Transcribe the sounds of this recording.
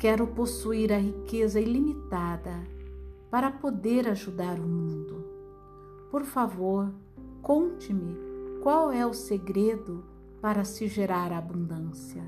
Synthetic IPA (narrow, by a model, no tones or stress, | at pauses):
kɛɾʊposuiɾɐɦikezɐilimit̪ad̪ɐpaɾɐpod̪eɾaʒud̪aɾʊmũnd̪ʊ | poɾfavoɾ | kõnt͡ʃɪmɪkwawɛʊseɡɾed̪ʊ | paɾɐsɪʒeɾaɾaːbũnd̪ɐ̃siɐ